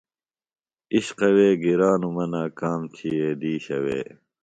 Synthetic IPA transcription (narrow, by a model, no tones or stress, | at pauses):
iɕqɐweːɡiɾaːnumɐnaːkaːmt͡ɕʰijeːd̪iːɕɐwḛː